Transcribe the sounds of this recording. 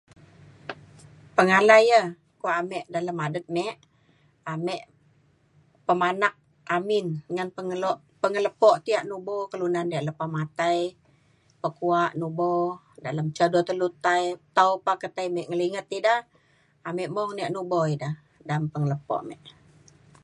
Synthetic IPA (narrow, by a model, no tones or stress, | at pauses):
pəŋalajə | kuaʔamɛʔdaləmadət̪̚mɛʔ | amɛʔ | pəmanak̚ | amɪnŋanpəŋəloʔ | pəŋələpɔʔt̪iaʔnubɔkəlunandiaʔləpahmat̪aj | pəkuaʔnubɔ | daləmt͡ʃədɔt̪əlut̪ajt̪awpakət̪ajmɛʔŋəliŋət̪idah | amɛʔmɔhniaʔnuboidah | dampəŋələpɔ̰ʔmɛʔ